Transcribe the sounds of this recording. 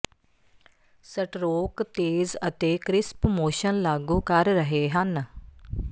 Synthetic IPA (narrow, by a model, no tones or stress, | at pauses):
səʈɾoːkt̪eːzət̪eːkɾɪspmoːʃənlaːɡũːkəɾɾəɦeːɦən